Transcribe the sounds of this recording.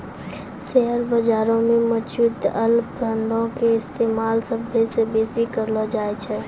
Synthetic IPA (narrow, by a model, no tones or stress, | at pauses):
sɛɦəɾbəd͡ʒaːɾõmẽmət͡ʃut̪əlpɾəɳɖõkeɪst̪eːmaːlsəbʱːesebeːsikəɾlad͡ʒaːet͡ʃʰɛː